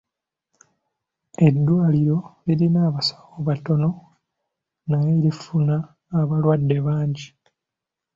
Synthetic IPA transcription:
e̞dːwaːliɾo̞eɾinaːβasḁkoβato̞no̞ | naje̞ːɾifunaː | βalwadːe̞βaːɲɟi

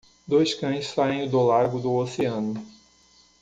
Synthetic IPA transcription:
d̪ojskɐ̃j̃ssaẽj̃ʊd̪olaɾɡʊd̪ʊoseɐ̃nʊ

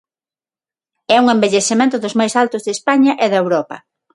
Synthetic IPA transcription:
ɛuŋembeʎesemẽnt̪ʊðʊzmajsalt̪ʊzðespaɲɐʔeðɐewɾɔpɐ̰

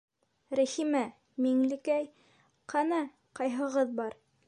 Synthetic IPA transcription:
ɾæχimæ | miŋlɘ̆kæj | qʰɑnɑ | qɑjɦɤ̆ʁɤðbɑɾ

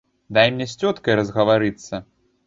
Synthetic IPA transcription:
d̪ajmnʲɛsʲt͡sʲɔt̪kɐjɾɐzɣɐvaɾɨt̪sːɐ

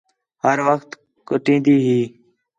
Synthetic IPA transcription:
həɾʋəxt̪ | kʊʈĩːnd̪iːɦiː

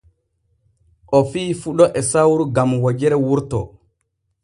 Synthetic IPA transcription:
ʔɔfiːfuɗɔʔɛsawɾuɡamwad͡ʒɛɾɛwuɾtɔ̰

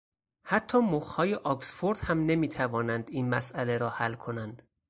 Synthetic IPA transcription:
hæt̪ʰːɒːmoxhɒːjeʔɒksfoɾd̪̥hæmne̞miːt̪ʰævɒːnænd̪iːnmæsæle̞ɾɒːhælːkʰo̞nænd̪̥

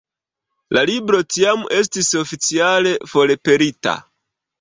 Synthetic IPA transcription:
lalibɾo̞tiame̞s̬tiso̞fit͡siale̞fo̞le̞pe̞ɾita̰

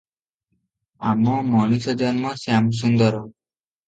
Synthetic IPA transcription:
amɔmɔñisɔd͡ʒɔnmɔsiams̬und̪ɔɾɔ

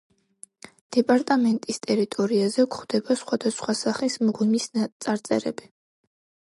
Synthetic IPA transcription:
d̪̥ɛpʼaɾt̪ʼamɛnt̪ʼist̪ʼɛɾit̪ʼɔɾiazɛkʰχd̪ɛbasχwad̪asχwasaχismʁwimist̪sʼaɾt̪sʼɛ̰ɾɛ̰bi

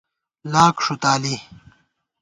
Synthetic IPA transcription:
laːkʂut̪aːli

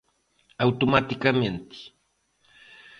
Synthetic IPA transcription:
awt̪omat̪ɪkament̪ɪ̥

